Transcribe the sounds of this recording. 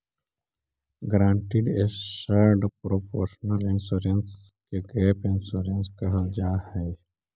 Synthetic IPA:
ɡɾãːɳʈɪɖeʃaɾɖpɾopʰoːɾʃnəlɪnsuːɾənskeɡɛːpɪ̃nsuːɾənskəɦəld͡ʒaːhɛː

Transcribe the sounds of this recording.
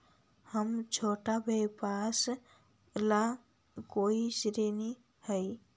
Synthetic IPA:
həmt͡ʃʰoʈabʱepas | la | koisɾeni | həj

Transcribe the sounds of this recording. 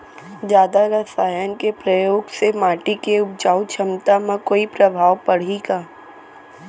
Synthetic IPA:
d͡ʒjaːd̪aɾɐsaːjənkepɾəjoːɡsemaːʈikeʊbd͡ʒaːʊt͡ʃʰəmt̪amãkoːipɾɐbʱaːʋpɐɽ̤iɡaː

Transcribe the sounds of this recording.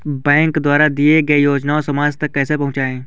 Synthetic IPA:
bɛ̃ːŋkd̪waːɾad̪ieɡɐejoːd͡ʒnaosɐmaːd͡ʒt̪ɐkːɛːsepɐɦʊ̃t͡ʃaːẽː

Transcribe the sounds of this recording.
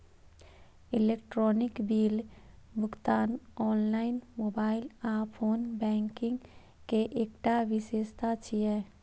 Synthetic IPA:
ɪleːk̚ʈɾɔːnɪkbiːlbʱʊɡt̪aːnɔːnlaːɪnmoːbaːɪlaːpʰoːnbɛ̃ːŋkɪ̃ŋɡ | keʔeːkʈaʋɪseːʃt̪ʰat͡ʃʰijɛː

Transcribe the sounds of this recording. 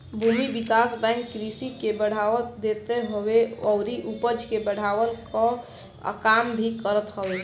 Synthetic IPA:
bʱumibikasbɛ̃ŋkːɾisikebəɽ̤awət̪d̪et̪eɦoweɔʊɾiʔupəd͡ʒkebəɽ̤awəlka | kambʱikəɾət̪ɦəwe

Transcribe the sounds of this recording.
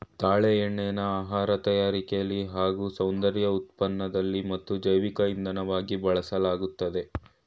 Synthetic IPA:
t̪aːɭeɛɳːɛjnɐaːɦaːɾɐt̪ɐjaːɾikɛjɐlːiɦaːɡuːsɐwnd̪ɐɾjɐut̪̚pɐnːɐd̪ɐlːimɐt̪ːud͡ʒɐjʋikɐind̪ɐnɐʋaːɡibɐɭɐsɐlaːɡut̪ːɐd̪e̞

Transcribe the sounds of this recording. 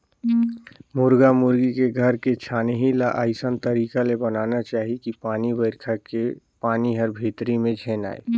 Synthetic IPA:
mʊɾɡamʊɾɡikeɡʱəɾket͡ʃʰaːneɦilaʔaɪsənt̪əɾiːkalebənaːnat͡ʃaːɦikipaːnibəɪɾkʰake | paːniɦəɾbʱiːt̪ɾimẽd͡ʒʱeːna̰ːḛ

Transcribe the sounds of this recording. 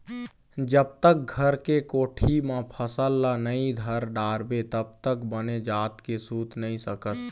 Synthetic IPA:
d͡ʒəb̚t̪ək̚ɡʱəɾkekoːʈʰimãpʰəsəlːanəid̪ʱəɾɖaːɾbet̪əb̚t̪əkbəned͡ʒaːt̪kesuːt̪nəĩsəkət̪

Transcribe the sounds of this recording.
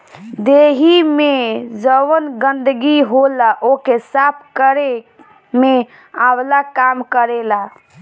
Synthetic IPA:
d̪eɦimed͡ʒəwənɡənd̪əɡiɦolaʔokesapʰkəɾe | me | ablakamkəɾela

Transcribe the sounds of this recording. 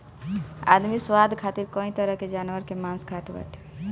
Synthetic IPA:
a̰d̪miswad̪ʱkʰat̪iɾkɔ̃ĩt̪ɔɾɔked͡ʒanuəɾkemãnskʰat̪ba̰ʈʰ

